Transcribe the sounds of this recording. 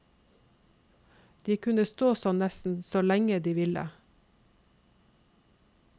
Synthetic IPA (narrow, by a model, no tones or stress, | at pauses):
d̪̥iːkʰʉnəst̪oːsɔnnɛsn̩soːlɛŋəd̪iːʋɪlə̰